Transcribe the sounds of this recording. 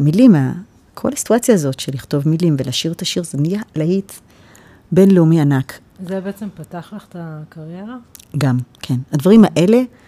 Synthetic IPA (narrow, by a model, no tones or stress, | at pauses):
milima | kʰo̞̰lasi̥tuat͡sjaːzo̞tʃeliχto̞vmilimvelaːʃiʁetaʃiʁzenijalahit | be̞nleumianak | zebeet͡sempataχlaχt̪akaʁjeʁaɡamkʰenadvaʁimaʔe̞le̞